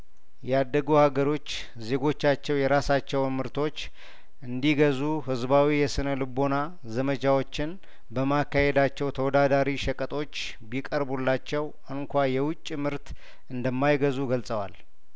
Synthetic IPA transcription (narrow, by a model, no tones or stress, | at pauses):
jɛad̪ːəɡuhaɡəɾo̞t͡ʃː | ze̞ɡo̞t͡ʃːat͡ʃːɛwjɛɾasat͡ʃːɛwmɨɾt̪ʰo̞t͡ʃː | ʔɨnd̪iɡəzuhɨzbawijɛsɨnəlɨbo̞na | zəmət͡ʃawo̞t͡ʃːɪn | bəmakːahed̪at͡ʃːɛwt̪ʰəwɔd̪ad̪aɾiʃəkʼət̪ʼo̞t͡ʃː | bikʼəɾbulːat͡ʃːɛw | ɨŋkʷajɛwʊt͡ʃʼːimɨɾt̪ | ʔɨnd̪əmːajɡəzuɡəlsʼəwa̰l